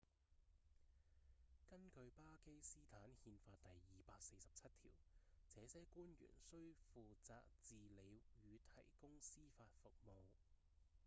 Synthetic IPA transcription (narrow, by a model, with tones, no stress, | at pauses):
kɐ˥nkɵ˧ɥpaː˥ke˥jsiː˥t̪ʰaː˨˥nhiː˧nfaː˧t̚t̪ɐ˨jːiː˨paː˧k̚se˧jsɐ˨p̚t͡sʰɐ˥t̚t̪ʰḭː˨˩wt͡sɛː˨˧sɛː˨˥kuː˥njy̰ː˨˩nsɵ˥ɥfuː˨t͡sa̰ː˧k̚t͡siː˨le˨˧jjyː˨˧t̪ʰɐ˨˩jkʊ˥ŋsiː˥faː˧t̚fʊ˨k̚mo˨˧w